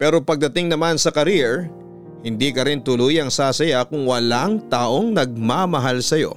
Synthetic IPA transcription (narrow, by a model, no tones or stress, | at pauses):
pɛːɾo̞pɐɡ̚d̪ɐt̪ɪŋnɐmansɐkɐɾiɛɹ | hɪnd̪iːkɐɾɪnt̪ʊluːjɐŋsaːsɐjakʊŋwɐlaŋt̪aːʔo̞ŋnɐɡ̚mamɐɦalsɐjo̞̰